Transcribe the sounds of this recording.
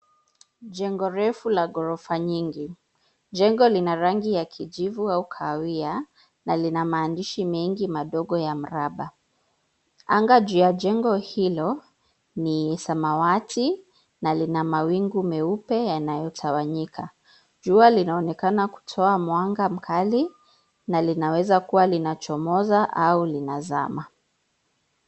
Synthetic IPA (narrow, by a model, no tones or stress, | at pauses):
ʄɛŋɡɔɾɛfulaɡɔɾɔfaɲiŋɡi | d͡ʒɛŋɡɔlinaɾaŋɡijakʰiʄivuaukʰawia | nalinamaːndiʃimɛŋɡimaɗɔɠɔjam̩ɾaɓa | aŋɡad͡ʒujad͡ʒɛŋɡɔhilɔ | niɛsamawati | nalinamawiŋɡumɛupɛjanajɔtʰawaɲikʰa | d͡ʒualinaɔnɛkanaku̥tʰɔamwaŋɡam̩kʰali | nalinawɛzakuwalinat͡ʃɔmɔzaʔaulinaza̰ma